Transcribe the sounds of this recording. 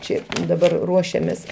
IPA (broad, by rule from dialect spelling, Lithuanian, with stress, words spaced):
ˈt͡ʃʲɛ dɐˈbɐr ˈruɔʃʲɛmʲeːs